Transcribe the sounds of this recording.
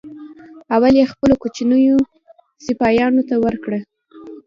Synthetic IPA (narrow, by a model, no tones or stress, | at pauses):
awaljexpəlokut͡ʃinəjo | sɪpɑjɑnot̪awəɾkɽə